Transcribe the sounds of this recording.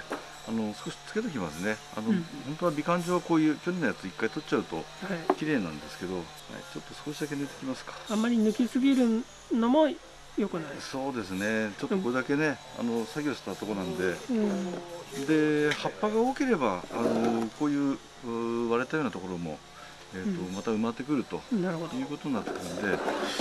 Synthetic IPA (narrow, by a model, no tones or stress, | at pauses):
ano̞sɨ̥ko̞ɕi̥t͡sɨ̥ke̞t̪̬ekʲima̰sɨne̞ | a̰nohont̪o̞βabʲikãɲ̟d͡ʑoːβako̞ːjɯ̟ːkʲjoɲenːajat͡sɨikːait̪o̞t͡ɕt͡ɕaɯ̟t̪o̞̰hakʲiɾe̞ːnã̰nd̪e̞sɨ̥ke̞d̪o̞ | ma̰t͡ɕo̞t̪ːo̞sɨ̥ko̞ɕid̪ak̬ed̪et̪e̞kʲimasɨ̥kḁamːaɾʲinɯ̟kʲisɨɡʲiɾɯ̟ | nomo̞ | jo̞kɯ̟naiso̞ːd̪e̞sɨne̞t͡ɕo̞t̪ːoko̞ɾe̞d̪ake̞ne̞ | a̰no̞saɡʲo̞ːɕi̥t̪at̪o̞ko̞nãnd̪e̞ | d̪e̞hapːaɡao̞ːke̞ɾe̞baːno̞ko̞ːjɯ̟ː | βaɾet̪ajoːnat̪o̞ko̞ɾo̞mo̞̰ | eːt̪ːo̞mat̪aɯ̟mat̪ːe̞k̬ɯ̟ɾɯ̟t̪o̞naɾɯod̪jɯ̟ːko̞t̪o̞ɲ̟nat̪ːe̞kɯɾɯnd̪e̞